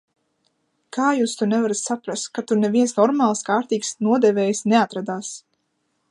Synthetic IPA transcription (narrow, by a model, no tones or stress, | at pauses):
kʰaːjuːst̪unɛvaɾat̪ʲsapɾast̪̚kat̪unɛvʲiɛnsnɔɾmaːlˠskaːɾt̪iːksnuɔd̪ɛvɛːjsneat̪ɾad̪aːs